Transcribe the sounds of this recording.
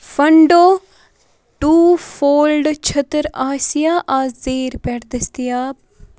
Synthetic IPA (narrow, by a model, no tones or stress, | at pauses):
fəɳɖoː | ʈuːfʰoːlɖt͡ʃʰət̪ːəɾaːsɪjaːʔaːzeːɾpɛʈd̪ɪst̪ijaːp